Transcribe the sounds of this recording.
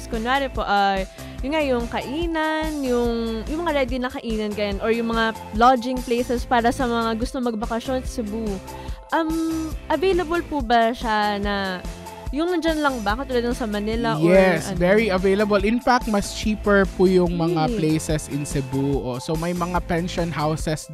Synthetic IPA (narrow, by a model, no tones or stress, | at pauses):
skonaɾɪpo̞ʔa | jʊnŋajʊŋkɐʔiːnɐnjʊŋjʊŋmɐŋaɾɛd̪ɪnɐkɐʔiːnɐnɡɐjanʔoɹjʊŋmɐŋa | lad͡ʒɪŋplejsɛspaːɾɐsɐmɐŋaɡʊst̪oŋmɐɡ̚bɐkɐʃjo̞nsɐsɛbu | ʔɐmʔɐvejlɐbolpubɐʃanɐ | jʊŋnɐd͡ʒanlɐŋbɐkɐt̪ːuːlɐd̪nɐŋsɐmɐnɪlɐʔjoɛsvɛɹiɐvejlɐbɐlɪnfak̚t̪̚mɐst͡ʃiːpɛɹpujʊŋmɐŋaplejsɛsɪnsɛbuʔosomɐjmɐŋapɛnʃonhawsɛs